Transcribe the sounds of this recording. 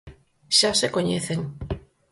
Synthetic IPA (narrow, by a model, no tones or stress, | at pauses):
ʃasekoɲeθeŋ